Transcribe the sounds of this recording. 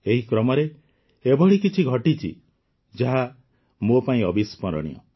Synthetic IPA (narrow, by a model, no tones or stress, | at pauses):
eɦikɾɔmɔɾe | ebɔɭikit͡ʃʰiɡʱɔʈit͡ʃʰḭ | d͡ʒaɦa | mopaĩɔbʱispɔɾɔ̰ɽ̃ḭjɔ̰